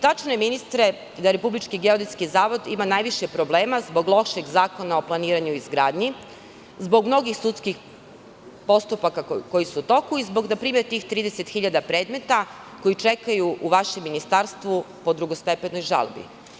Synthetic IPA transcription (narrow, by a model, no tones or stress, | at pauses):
t̪at͡ʃne̞minist̪ɾe̞ | d̪aɾe̞publit͡ʃkiɡeod̪iskizaːʋo̞d̪imanajʋiʃepɾo̞blˠe̞ːmazbo̞ɡlˠo̞ʃeɡzaːko̞nao̞plˠaniːɾaɲuizɡɾaːd̪ɲi | zbo̞ɡmno̞ɡixsut̪skix | po̞st̪upakako̞jisuut̪o̞kuizbo̞ɡnapɾiːmet̪iːxt̪ɾiːd̪eset̪xiʎad̪apɾe̞ːd̪me̞t̪a | ko̞jit͡ʃekajuʔuʋaʃemːinist̪aɾst̪ʋu | po̞d̪ɾuɡo̞st̪epe̞no̞jʒa̰lbḭ